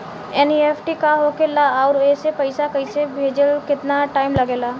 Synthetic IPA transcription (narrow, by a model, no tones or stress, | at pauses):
eːniepʰʈikaɦoːkelaaːɾeːsepɐɪsakɐɪsebʱeːd͡ʒəlkɪt̪naʈaːɪmlɐɡeːlaː